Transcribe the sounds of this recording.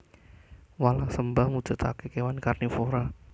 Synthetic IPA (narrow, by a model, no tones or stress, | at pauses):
walasəmbahmu̥d͡ʒ̥a̤t̪akekewankarnifoɾa